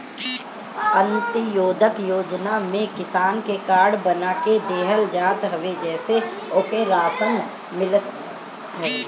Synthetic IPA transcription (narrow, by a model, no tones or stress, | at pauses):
ə̃nt̪əjoːd̪ʱəkjoːd͡ʒnamẽkɪsaːnkekaːɽbənaːked̪eːɦəld͡ʒaːt̪ɦəʋed͡ʒɛːse | oːkeɾaːsən | mɪlət̪ | ɦɛː